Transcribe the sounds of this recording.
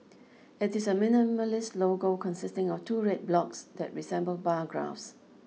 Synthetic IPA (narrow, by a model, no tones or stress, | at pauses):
ɪtɪsəmɪniməlɪsloɡokʰɔ̃nsɪstɪ̃ŋɔftʰuɹɛt̚blɔksdɛ̰t̚ɹisɛ̃mbəlbaɡɹa̰fs